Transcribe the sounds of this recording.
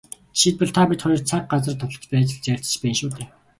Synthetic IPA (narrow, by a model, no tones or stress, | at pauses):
ʃʰit̪̚pɔ̆ɮt̪ʰapʲit̪χɔjɞ̆rt͡sʰak̚ɢat͡sə̆rt̪ʰʊt̪ə̆t͡ɕpæːt͡ɕɪ̆ɮt͡ɕæːɬt͡ɕ̆t͡ɕpæːnʃuːt̪eː